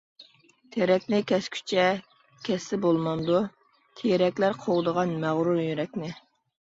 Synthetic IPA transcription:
t̪ʰeɾɛkʲnɪkʲʰɛskʲʰy̥t͡ʃʰɛ | kʲʰɛsːɪbolˠmɑnd̪u | t̪ʰejɾɛkʲlæɾqʰowd̪əʁɑnmæʁɾujyɾɛkʲnɪ

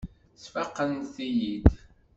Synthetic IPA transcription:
sfɑqːənθijid̪

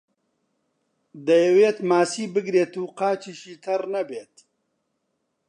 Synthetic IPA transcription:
d̪ɐjɐweːt̪maːsiːbɨɡɾeːt̪uːqaːt͡ʃiːʃiːt̪ʰɐrnɐbeːt̪̚

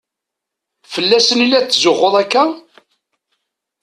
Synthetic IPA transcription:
fəlːæsənilːæt͡sːzʊʁːoðˤækːæ

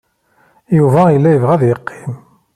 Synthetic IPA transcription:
juvæjəlːæjəvʁæðjəqʰːi̥m

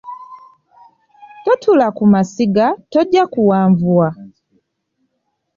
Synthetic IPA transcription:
totʰulakumasiɡatoɟakuwaːɱvwwa

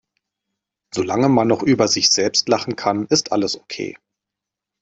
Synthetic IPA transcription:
z̥olaŋəmanːɔχʔyːbɐzɪçz̥ɛlpstlaχn̩kʰanɪstʰʔaləsʔokʰḛː

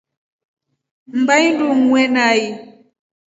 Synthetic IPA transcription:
m̩bajnduŋwɛnai

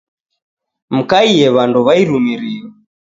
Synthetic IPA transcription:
m̩kaiɛβanduβaiɾumiɾiɔ

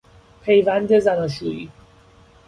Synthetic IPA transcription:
pʰe̞jvænd̪ezænɒːʃ̬uiː

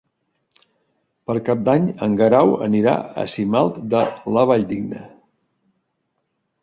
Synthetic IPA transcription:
pəɾkap̚d̪aɲəŋɡəɾawə̰niɾa̰ə̰simalˠt̪d̪ələβaʎd̪iɡnə̰

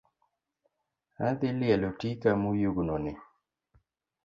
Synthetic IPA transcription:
aðilialutikamujuɡunɔnɛ

